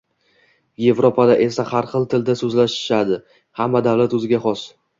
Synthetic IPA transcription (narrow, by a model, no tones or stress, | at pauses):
je̞vɾopʰad̪aʔe̞sahaɾχɨlˠt̪ʰɪld̪asɵzlaʃɪ̥ʃad̪ɪ | hamːad̪avlat̪ɵzɪɡʲaχɒs